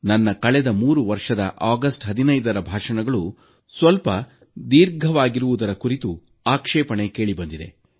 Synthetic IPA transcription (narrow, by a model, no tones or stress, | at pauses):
nɐnːɐkɐɭɛd̪ɐmuːɾuʋɐɾʂɐd̪ɐ̰ʔaːɡɐsʈɦɐd̪inɐjd̪ɐɾɐbʱaːʂɐɳɐɡɐɭu | sʋɐlpɐ | d̪iːɾɡʱɐʋaːɡiɾuʋud̪ɐɾɐkuɾit̪u | aːkʂɛːpɐɳeke̞ːɭibɐnd̪id̪e̞̰